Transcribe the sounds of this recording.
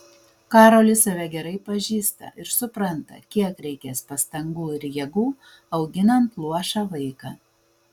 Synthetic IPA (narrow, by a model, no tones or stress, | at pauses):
kɑːɾoːlʲɪsɐʋʲɛɡʲɛɾɐɪpɐʒʲiːst̪ɐ̰ʔɪɾsʊpɾɐnt̪ɐ̰kʲiɛkɾʲɛɪkʲɛspɐst̪ɐŋɡuːɪɾjiɛɡuː | ɐʊɡʲɪnɐnt̪lˠuɔʃɑːʋɐɪkɑː